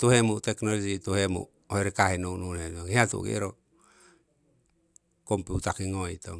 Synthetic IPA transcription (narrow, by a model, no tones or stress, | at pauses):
t̪uɦemut̪eknolod͡ʒit̪uɦemṵ | oeɾikaɦenununetoŋeat̪ṵɡḛɾo | kompiut̪akiŋoit̪o